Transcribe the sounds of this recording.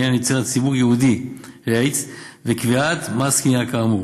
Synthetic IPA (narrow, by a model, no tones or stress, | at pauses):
anjot͡seʁat͡sibuʁjehud̪iʁejt͡svekviat̪maskiniakamu